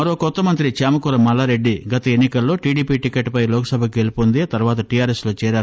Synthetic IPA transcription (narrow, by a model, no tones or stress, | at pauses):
mɐɾo̞ːkɔt̪ːɐmɐnt̪ɾit͡ʃaːmɐkuːɾɐmːɐlːaːɾe̞ɖːiɡɐt̪ɐenːikɐlːo̞ːʈiːɖiːpiːʈikeʈːpɐjlɔːkɐsɐbʱɐkɡelupond̪et̪ɐɾʋaːt̪ɐʈijaːɾeslo̞ːt͡ʃɛːɾaːɾ